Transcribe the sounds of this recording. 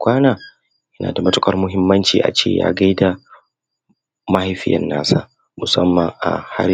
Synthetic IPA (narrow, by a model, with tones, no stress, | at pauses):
kʷaː˦naː˨ | jɐ˦na̰ː˨da˨mɐ˦tʊ˦kʼɐ˦rmʊ˦ɦɪ˦mːɐ˦nt͡ʃḭː˨ʔa̰˨t͡ʃeː˦˨ja̰ː˦ɡa˦jda˨ | mɐ˦ha˦jɸɪ˦jɐ̰˨nːaː˦sa̰ː˦ | mʊ˨sɐ˦mːɐ˨ŋʔa̰˨ha̰˦